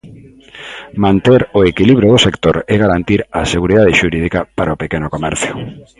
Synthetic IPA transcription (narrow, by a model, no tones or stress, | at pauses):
mãnt̪eɾoekiliβɾjoðʊsekt̪oɾɛɣaɾant̪iɾaseɣuɾiðað̞eʃuɾið̞ikapaɾaopekenʊkomɛɾθjʊ